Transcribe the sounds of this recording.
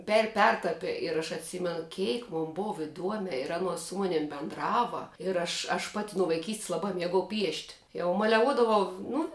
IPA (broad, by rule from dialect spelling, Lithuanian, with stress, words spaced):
pʲɛr ˈpʲɛrtɐpʲɪ ɪr ɐʃ ɐtʲˈsʲɪmʲɛnʊ ˈkʲeːɪk moːn ˈboːʋɐ ɪˈduɔmʲɛ ɪr ˈɑːnuɔs sʊ ˈmʊnʲɪm bʲɛndˈrɑːʋɐ ɪr ɐʃ ɐʃ ˈpɑːtʲɪ nʊ ʋɐɪˈkʲiːsts lˠɐˈbɑː ˈmʲiɛɡɐʊ pʲiɛʃʲtʲ jɛʊ mɐlʲɛˈʋuɔdɐʋɐʊ ˈnʊ